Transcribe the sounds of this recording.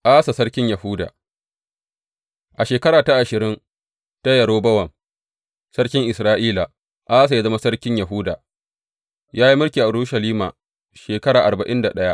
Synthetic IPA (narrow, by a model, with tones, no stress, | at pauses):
ʔaː˦sa˨sɐ˦ɽkʲɪ˦ɲjɐ˨hʊ˦da̰ː˨ | ʔa˨ʃeː˨kɐ˦ɾaː˨ta˦ʔa˨ʃɪ˨ɾɪ˦n | ta˦jɐ˨ɽoː˦bɐ˦wɐ˨m | sɐ˦ɽkʲɪ˦ŋʔɪ˨sɾaː˦ʔiː˦la˨ | ʔaː˦s̬a˨ja˦zɐ˦ma˦sɐ˦ɽkʲɪ˦ɲjɐ˨ɦuː˦daː˨ | jaː˦ji˦mʊ˦rkʲiː˨ʔa˨ɽuː˦ʃɐ˨liː˦ma̰ː˨ | ʃeː˨kɐ˦ɽaː˨ʔa˨ɾba˨ʔɪ˦nda˨ɗɐ˦ja˦ʔ